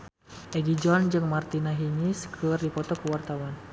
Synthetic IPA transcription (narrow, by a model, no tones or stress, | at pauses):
ʔɛɡid͡ʒɔnd͡ʒɨŋmart̪inaɦiŋiskʰərdipɔt̪ɔkuwart̪awan